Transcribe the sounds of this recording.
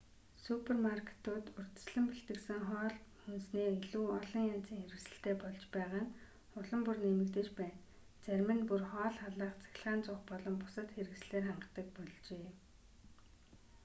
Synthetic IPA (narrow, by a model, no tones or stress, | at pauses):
supʰermarkʰe̥t̪ʊːt̪ɵr̥t̪ɵ̥̆sɮɘ̆mpiɬt̪ɘ̆ksɘ̆ŋχɔːɮxunsneːiɮuːɔɮɞ̆ŋjaːt͡siːŋxeɾɘ̆ksɘ̆ɬt̪eːpɔɮt͡ɕpæːʁaːŋ | ʊɮɞ̆mpurnemɘ̆kt̪ĕt͡ɕpæːn | t͡sæɾʲmɘ̆npurχɔːɮχaɮaːχt͡sʰæ̥xʲɪ̆ɮʁaːnt͡sʊːχpɔɮɞ̆mpʊ̥sə̆t̪xeɾɘ̆ks̆ɮeːrχaɴɢə̆t̪ə̆k̚pɔɮt͡ɕeː